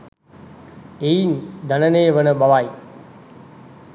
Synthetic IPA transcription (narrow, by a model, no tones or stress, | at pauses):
eind̪ʱɐnəneːʋənəɓɐʋaj